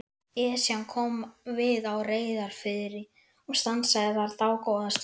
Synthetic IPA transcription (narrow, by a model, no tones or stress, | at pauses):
ɛːsjankʰɔmvɪðawreːjðaɾ̥fɪðɾɪ | ɔɣst̪ansaðɪθaɾt̪aːwkoːwðast̪